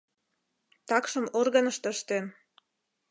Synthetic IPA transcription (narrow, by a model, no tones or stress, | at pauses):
t̪ɑkʃəmorɣənəʃt̪əʃt̪en